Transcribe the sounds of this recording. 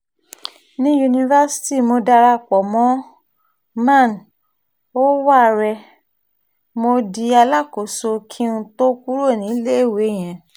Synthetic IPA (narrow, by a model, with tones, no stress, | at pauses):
nĩ˦ju˧nĩ˧va˦si̥˦ti˦˨mo˧da˧ɾa˧˨k͡pɔ˨mɔ̃˦ | mã˦˨n | o˦wa˦˨ɾɛ˧ | mo˧di˧a˧la˦˨ko˨˦so˧kʰĩ˦nũ˧˦to˦ku˦ɾo˦˨nĩ˨˦le˦e˦˨we˨˦˨j̃ɛ̃˨